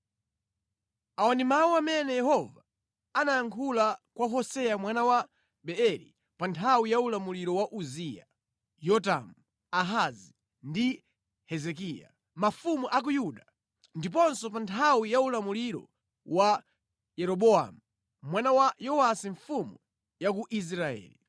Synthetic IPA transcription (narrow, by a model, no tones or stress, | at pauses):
awanimawuamɛnɛjɛhɔva | anajaŋkʰulakwaɦɔsɛjamwanawa | ɓɛɛɾḭ | pantʰawijaulamuliɾɔwaʔuzija̰ | jɔta̰mu | aɦazi | ndi | hɛzɛk̬ija̰ | mafumuʔak̬ujuɗa | ndip̬ɔnsɔp̬antʰawijaulamuliɾɔ̰ | wa | jɛɾɔɓɔa̰mu | mwanawajɔasiɱfumu | jakuʔis̬ɾaɛ̰ːli